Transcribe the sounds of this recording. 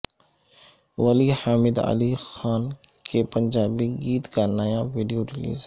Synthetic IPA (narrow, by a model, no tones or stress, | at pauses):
ʋəlihaːmɪd̪ə̰lixaːnkepə̃ɲd͡ʒaːbiɡiːt̪kanəjãʋiːɖijoɾɪlḭːz